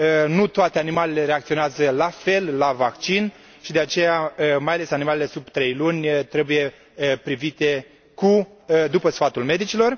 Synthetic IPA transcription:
nut̪oat̪eanimalele̞ɾeakt̪sio̞neazəlafe̞lːavakt͡ʃin | ʃid̪e̞at͡ʃe̞jaəmajale̞sanimalele̞subt̪ɾe̞jlunʲt̪ɾe̞buje̞ | əpɾivit̪e̞ | ku | d̪upəsfat̪ulme̞d̪it͡ʃilo̞r

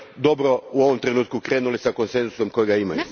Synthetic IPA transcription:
d̪o̞bɾo̞uo̞ʋo̞mt̪ɾe̞nuːt̪̚kukɾe̞ːnulisako̞nse̞nzu̥so̞mko̞jeɡaima̰ju

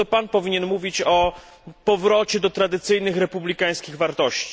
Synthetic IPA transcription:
ɔpanpɔvʲiɲɛnmuvʲit͡ɕɔ | pɔvɾɔt͡ɕɛd̪ɔt̪ɾad̪ɘt̪sɘjnɘxɾɛpublʲikaj̃skʲiɣvaɾt̪ɔɕt͡ɕi̥

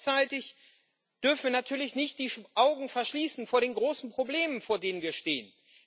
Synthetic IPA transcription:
t͡saɪtɪç | d̥ʏɐfn̩viːɐnatʰyːɐlɪçnɪçt̚d̥iːʔaʊɡŋ̩fɛɐʃliːsn̩foːɐɾeːnɡʁoːsn̩pʁ̥obleːmənfoːɐdeːnənviːɐʃteːən

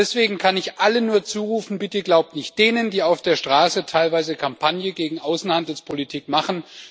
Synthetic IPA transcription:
ɛsv̥eːɡŋ̩kʰanɪçʔalənuːɐt͡suːʁuːfn̩bɪtəɡlaʊp̚tnɪçt̚d̥eːnəndiːaʊfd̥eːɐʃtʁ̥aːsətʰaɪlvaɪzəkʰampʰanjəɡeːɡŋ̩ʔaʊsn̩handl̩spʰolitʰiːkmaχn̩

